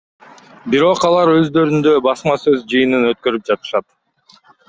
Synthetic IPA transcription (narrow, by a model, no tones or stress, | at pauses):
biɾo̞qɑlˠɑɾø̞zd̪ø̞ɾynd̪øbɑsmɑsø̞zd͡ʒɯjɯnɯnø̞t̪̚kø̞ɾyp̚d͡ʒɑt̪ɯ̥ʃɑt̪